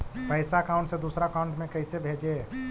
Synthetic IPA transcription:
pəɪsakaʊ̃ɳʈsẽd̪usɾakaũɳʈmekəɪsebʱed͡ʒe

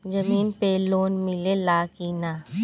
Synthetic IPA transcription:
d͡ʒɐmiːnpeloːnmɪlelaːkiːnaː

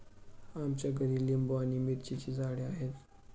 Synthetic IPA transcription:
amt͡ɕjaɡʱəɾiːlimboañiːmiɾt͡ɕit͡ɕiːd͡zaɽeaɦet̪

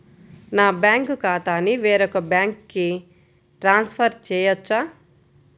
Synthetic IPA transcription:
naːbjaːŋkkaːt̪aːniʋeːɾɔkɐbjaːŋkːi | ʈɾaːnspʰɐɾt͡ʃɛːjɐt͡ʃːa

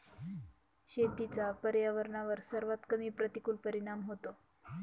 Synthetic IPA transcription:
ɕet̪it͡sapəɾjaʋəɾɳaʋəɾsəɾʋat̪kəmiːpɾət̪ikulpəɾiɽ̃amɦot̪o

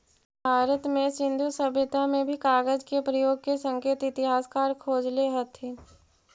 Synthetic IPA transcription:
bʱaːɾət̪mẽsɪ̃nd̪ʱusəbʱɪt̪amẽbʱikaːɡəd͡ʒkepɾəjoːɡ̚kesə̃ŋkeːt̪ɪt̪ɪɦaːskaːɾkʰoːd͡ʒleɦɐt̪ʰe

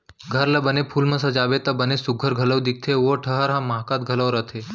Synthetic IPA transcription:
ɡʱəɾləbənepʰuːlməsəd͡ʒaʋet̪əbənesuɡʱəɾɡʱələʋd̪ik̚t̪ʰeʋəʈʰəɦəɾɦãmakat̪̚ɡʱələʋɾət̪ʰe

